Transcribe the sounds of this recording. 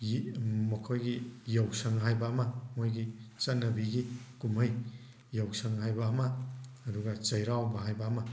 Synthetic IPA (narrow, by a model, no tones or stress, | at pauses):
mɐkʰojɡijawsɐŋɦajbamamojɡit͡ʃɐnɐbiɡikumɐj | jawsɐŋɦajbamaːduɡat͡ʃɐjɾawbaɦajbama